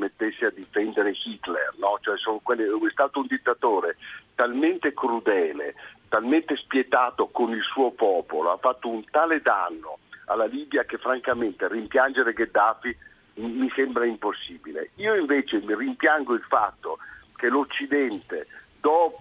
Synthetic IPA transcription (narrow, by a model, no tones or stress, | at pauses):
met̪ːesːead̪ːifɛnd̪eɾexit̪lḛrnɔt͡ʃoɛsoːnokwɛlːeoɛst̪aːt̪ound̪it̪ːat̪oːɾet̪alment̪ekɾud̪ɛːlḛt̪alment̪espjet̪aːt̪okonilsuːopɔːpoloafːat̪ːount̪aːled̪anːo̰a̰lːaliːbjakefːɾaŋkament̪erimpjand͡ʒeɾeɡed̪ːafi | mmisɛmbɾaimposːiːbilḛiːoiɱveːt͡ʃemirimpjaŋɡoilfat̪ːok̟elot͡ʃːid̪ɛnt̪ed̪ɔː